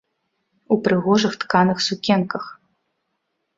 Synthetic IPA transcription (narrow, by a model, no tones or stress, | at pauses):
upɾɨɣɔʐɨxt̪kanɨxsukʲɛnkɐx